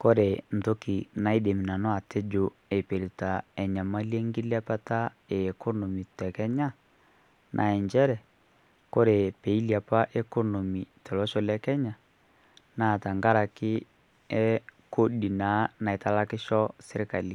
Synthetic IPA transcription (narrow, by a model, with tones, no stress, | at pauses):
ko˦ɾe˨n̩˨to˦ki˨na˨i˦de˨mi˨na˨nɔ˦a˨te˦d͡ʒo˨ | e˨pe˨ɾi˨ta˨ɛ˨ɲa˨ma˦le˦ŋɡi˦lja˦pa˦ta˦ | eː˨kɔ˦no˨mi˨tɛ˨kɛ˦ɲa˦ | nʔa̰˨ɛ˨ɲd͡ʒɛ˦ɾɛ˨ | ko˦ɾe˨pe˨i˦lja˨pa˦ʔɛ˦ko˦no˨mi˨tɛ˨lɔ˦ʃɔ˦lɛ˦kɛ˦ɲa˨ | na˦˨ta˨ŋɡa˦ɾa˨kɪ˦ | ɛ˦ko˦di˨na˨˦na˨e˨ta˦la˦kɪ˦ʃɔ˦se˦ɾe˦ka˨li˨